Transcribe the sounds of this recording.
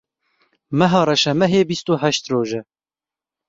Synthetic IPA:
mɛɦɑːɾɛʃɛmɛɦeːbist̪uːɦɛʃt̪roːʒɛ

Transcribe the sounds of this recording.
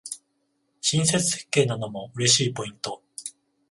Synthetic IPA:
ɕĩɰ̃se̞t͡sɨ̥he̥kːe̞ːnanomo̞ɯ̟ɾe̞ɕiːpo̞ĩnt̪o̞

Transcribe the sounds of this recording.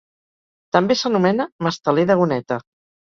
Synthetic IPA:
t̪əmbesənumɛnəməst̪əleðəɣunɛt̪ə

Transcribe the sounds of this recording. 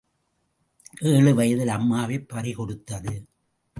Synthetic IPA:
ʔeːɭɯʋɐjɐðɪlɐmːaːʋeːpːɐɾɪkɔɽɯt̪ːɐðɯ

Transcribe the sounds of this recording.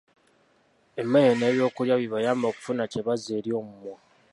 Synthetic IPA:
emːe̞jene̞ːβjo̞ːkuljaβiβajaːmbo̞ːku̥funaceβazeːɾjo̞ːmumwa

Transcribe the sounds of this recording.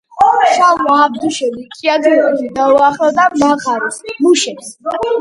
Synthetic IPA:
ʃalaːb̚d̪uʃɛlikʰʼiad̪id̪id̪auaχlɔd̪amaʁaɾismuʃɛps

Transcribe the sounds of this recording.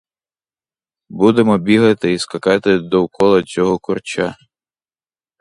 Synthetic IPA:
bud̪emɔbʲiɦɐt̪ɪiskɐkɑt̪ɪd̪ɔwkɔlˠɐt͡sʲɔɦɔkʊrt͡ʃa

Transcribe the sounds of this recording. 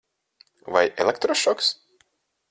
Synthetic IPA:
va̰jʔɛ̰lʲˠɛkt̪ɾɔʃɔks

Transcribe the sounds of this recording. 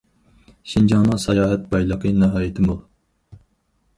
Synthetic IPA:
ʃind͡ʒɑŋnɨŋsɑjɑːɦɛt̪̚bɑjlˠəqʰənɨɦɑːjɪt̪ʰɨmulˠ

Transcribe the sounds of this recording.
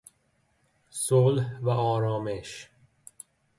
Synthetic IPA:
solhvæʔɒːɾɒːmeʃ

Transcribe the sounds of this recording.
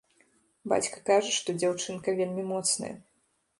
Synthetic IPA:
ba̰t͡sʲkɐ̥kaʐɐʂt̪ɔd͡zʲawt͡ʂɨnkɐvʲelʲmʲimɔt̪snɐ̰jɐ̰

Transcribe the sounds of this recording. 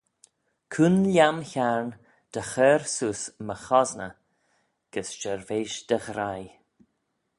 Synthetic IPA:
kʰuːnlʲjamçaɹn | d̪̥əxɛːɾsuːsməxɔznə | ɡ̥əsʃəɹveːʃd̪̥əɣɾaj

